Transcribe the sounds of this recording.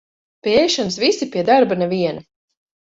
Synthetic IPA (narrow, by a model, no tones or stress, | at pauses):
pʲiɛjʃɔnsvisipʲiɛd̪aɾbanɛviɛna